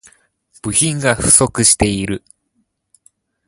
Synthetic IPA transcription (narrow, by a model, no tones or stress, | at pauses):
b̥ɯ̟çĩŋɡaɸɯ̟̥so̞kɯ̟ɕi̥t̪e̞iɾɯ̟